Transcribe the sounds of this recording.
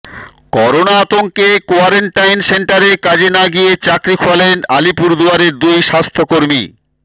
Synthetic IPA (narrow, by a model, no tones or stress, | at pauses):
kɔɾonaat̪oŋkekoaɾeɳʈajnseɳʈaɾekad͡ʑenaɡijet͡ɕakɾikʰoalenalipuɾd̪uaɾeɾd̪ujʃast̪ʰokoɾmḭ